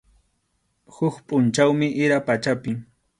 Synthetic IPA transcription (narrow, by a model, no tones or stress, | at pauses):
hʊkpʼʊnt͡ʃawmɪʔɪɾapat͡ʃapɪŋ